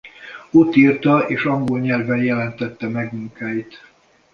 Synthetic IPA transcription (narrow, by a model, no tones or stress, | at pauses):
ot̪ːiːrt̪ɒeːʃɒŋɡo̞lɲɛlvɛnjɛlɛnt̪ɛt̪ːɛmɛɡmuŋkaːjit̪